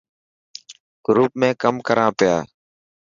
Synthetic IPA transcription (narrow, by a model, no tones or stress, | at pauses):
ɡ̥ɾuːp̚mẽːkəmkəɾãːpɪja̰ː